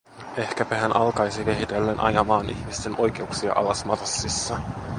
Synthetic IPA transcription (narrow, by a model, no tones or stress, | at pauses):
e̞hkæpæɦænʔɑlkɑjsike̞ɦit̪e̞lːenʔɑ̰jɑmɑːnʔḭçmist̪e̞nʔo̞jk̟e̞uksiɑ̰ʔɑlɑsmɑrɑsːisːɑ